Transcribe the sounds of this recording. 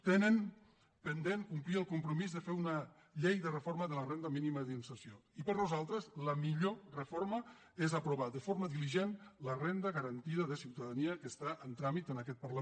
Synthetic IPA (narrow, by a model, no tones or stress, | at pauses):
t̪enən | pənd̪eŋkumpliəlˠkumpɾumizðəfeunə | ʎejðərəfoɾməðələrend̪əminiməðinsəsioipəɾnuzalˠt̪ɾəzləmiʎorəfoɾmə | ezəpɾuβaðəfoɾməðiliʒenlərend̪əɣəɾənt̪iðəðəsiwt̪əðəniəkəst̪aʔənt̪ɾamit̪ənəkɛt̪̚pəɾlə